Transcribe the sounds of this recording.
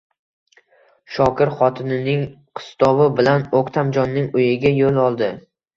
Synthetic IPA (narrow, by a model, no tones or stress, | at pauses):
ʃɒkʰʲɪɾχɒt̪ʰɪnɪnɪŋ | qʰɨ̥st̪ɒvɪbɪlanokʲt̪ʰamd͡ʒɒnːɪŋʊjɪɡʲajolˠɒlˠd̪ɪ